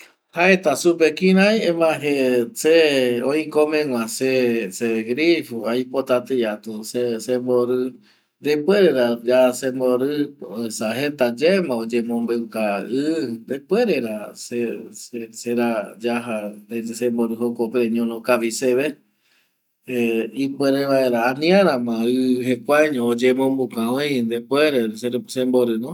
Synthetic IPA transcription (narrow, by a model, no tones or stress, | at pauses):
haet̪asupekĩɾ̃ãjẽmãɦeseõĩkomẽŋʷw̃ʷãseseɡɾifuajpot̪at̪ejat̪usesemboɾɨ | d̪epweɾeɾad͡ʒasemoɾɨesaɦet̪ad͡ʒemãod͡ʒemõmbewkaɨnd̪epweɾeɾaseseseɾad͡ʒaɦaesemboɾɨɦokopeɾeɲõnõkaʋiseβe | ipeɾeβaeɾaːnĩãɾãmãɨɦekʷaɲõod͡ʒemõmbukãõj̃nd̪epweɾesesẽmboɾɨnõ